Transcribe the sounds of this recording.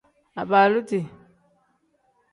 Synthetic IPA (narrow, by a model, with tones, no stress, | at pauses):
a˨ba˨lu˦ti˨